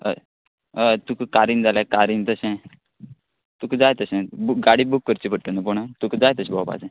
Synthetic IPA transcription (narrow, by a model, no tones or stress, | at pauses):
ə̰ | ət̪ukkaɾiːnd͡zalẽkaɾint̪əɕẽ | t̪ukd͡zajt̪əɕẽbukɡaɽibukːəɾt͡ɕipʰəɽʈ̪ənəp̬uɳət̪ukd͡zajt̪əɕbʱɔwpa̰d͡zẽ